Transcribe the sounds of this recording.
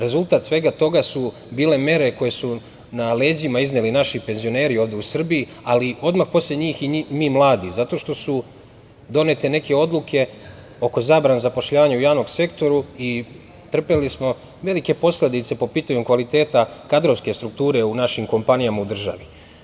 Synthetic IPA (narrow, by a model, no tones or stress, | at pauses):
ɾe̞zulˠt̪at̪sʋe̞ɡat̪o̞ɡasu | biːle̞me̞ɾe̞ko̞je̞su | nale̞ːzimaiznelinaʃipe̞nzio̞ne̞ːɾio̞ːʋd̪e̞usr̩biːalio̞d̪maxpo̞sleɲiːximiːmlˠaːd̪izat̪o̞ʃt̪o̞su | d̪o̞ne̞t̪e̞ne̞ke̞o̞d̪lˠukʰe̞ | o̞ko̞zaːbɾanezapo̞ʃʎaːʋaɲaujaːʋno̞ɡse̞kt̪o̞ɾui | t̪r̩pelismo̞ | ʋe̞like̞po̞sled̪it̪se̞po̞piːt̪aɲukʋalit̪e̞ːt̪akad̪ɾoʋske̞st̪ɾuk̚t̪uːɾe̞unaʃimko̞mpanijamaud̪r̩ʒa̰ʋi